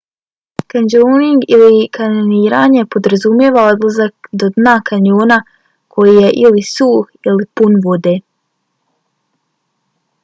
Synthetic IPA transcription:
kanoːniŋɡilikanoniːɾaːɲepo̞d̪ɾazumjeːʋaod̪lazak̚d̪od̪naːkaɲoːna | kʰo̞jije̞ʔilisuːxilipunʋo̞d̪eː

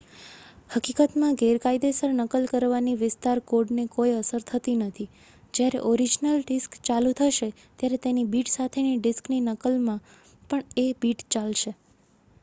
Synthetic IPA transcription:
həkikət̪mãɡeɾkaid̪esəɾnəkəlkəɾʋaniʋɪst̪aɾkoɖnekojəsəɾt̪ʰət̪inət̪ʰi | d͡ʒjaɾḛʔoɾid͡ʒnəlɖɪskt͡ʃalũt̪ʰəʃe | t̪jaɾet̪enibiʈsat̪ʰeniɖɪskninəkəlmã | pəɳebiʈt͡ʃalʃe

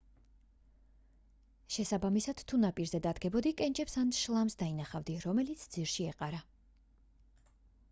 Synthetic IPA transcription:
ʃɛsabamisad̪̥t̪ʰːunapʼiɾzɛd̪ad̪ɡɛbɔd̪ikʼɛnt͡ʃʼɛpsanʃlˠamsd̪ainaχavd̪iɾɔmɛlit̪sʰd̪ziɾʃiɛqʼaɾa

